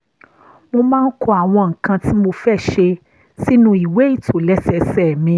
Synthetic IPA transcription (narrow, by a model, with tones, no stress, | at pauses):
mo˧mãː˦n̩˦kʰo˧a˨w̃ɔ̃˧ŋ̩˨kã˧ti˦mo˧fɛ˦˨ʃe˧ | si˦nũ˦i˨we˨˦i˦˨tʰo˨lɛ˦sɛ˧sɛ˦˨mĩ˧